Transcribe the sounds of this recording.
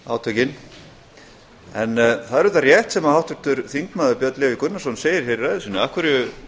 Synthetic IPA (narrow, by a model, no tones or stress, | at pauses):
aːwt̪ʰœcɪn | ɛnθaðɛɾʏt̪arjɛht̪sɛmahawt̪ʏɾ̥t̪ʏɾ̥θiŋkmaːðʏpjœt̪lɪvɪkʏnnasɔnseːjɪɾ̥hejɾaðɪsʏnːʏahkvʏɾʏ